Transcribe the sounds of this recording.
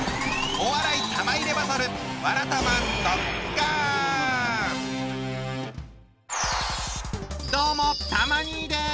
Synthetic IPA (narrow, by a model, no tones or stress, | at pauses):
oβaɾait̪ʰamaiɾe̞basaɾɯβaɾat̪amand̪oka | d̪̥oːmot̪amaɲ̟id̪e